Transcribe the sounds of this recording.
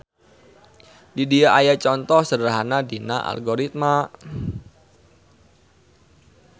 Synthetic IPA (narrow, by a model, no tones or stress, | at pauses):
didiaʔajat͡ʃɔnt̪ɔhsədəɾaɦanadinaʔa̰lɡoɾit̪̚ma